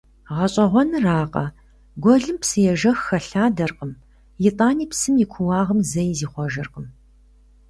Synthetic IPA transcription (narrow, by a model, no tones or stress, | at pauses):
ʁɐɕʼɐʁʷɔnɨraːqʼɐ̰ | ɡʷɔɮɨmpsɨjɛʒɐxːɐɬaːdɐrqʼəm | jɪtʼaːniːpsɨmjɪkʷʰʊwɑːʁəmzɐjziːχʷɔʒɐrqəm